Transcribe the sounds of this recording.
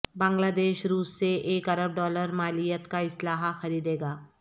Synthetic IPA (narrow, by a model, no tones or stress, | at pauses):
bãːŋɡlaːd̪eːʃɾuːsːeʔeːkɐɾəb̚ɖɔːləɾmaːlijət̪kaɪslaːɦaxɐɾiːd̪eːɡaː